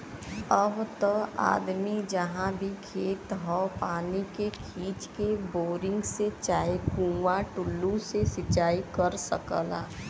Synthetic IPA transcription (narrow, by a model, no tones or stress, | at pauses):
əbt̪əa̰ːd̪mid͡ʒəɦãbʱikʰeːt̪ɦɔːpaːnikekʰiːt͡ʃkeboːɾɪ̃ŋɡset͡ʃaːikũːʋaʈʊlːũsesɪt͡ʃaːikəɾsə̰kəla̰ː